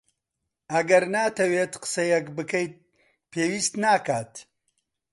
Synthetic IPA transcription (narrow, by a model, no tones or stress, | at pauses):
ɐɡɐɾnaːt̪ɐweːt̪qə̥sɐjɛkbɨkɐjt̪̚ | pʰeːwiːst̪naːkaːt̪